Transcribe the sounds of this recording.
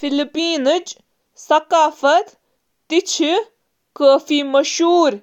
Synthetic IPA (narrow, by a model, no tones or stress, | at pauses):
filipiːnɨd͡ʒ | sɐkaːfɐt̪ː | it͡ʃʰi | kəːfiːmɐʃɦuːɾ